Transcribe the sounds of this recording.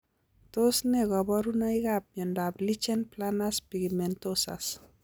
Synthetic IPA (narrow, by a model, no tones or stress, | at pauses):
tosnɛɡɔbɔɾunɔiɡap̚ɲɔndablit͡ʃɛnplanaspiɡimɛntosa̰s